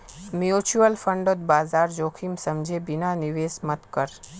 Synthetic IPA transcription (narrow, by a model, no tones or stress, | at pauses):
mjut͡ʃuəlfəɳɖot̪̚bazaɾd͡ʒokʰimsəmd͡ʒʱebinaniʋesmət̪kəɾ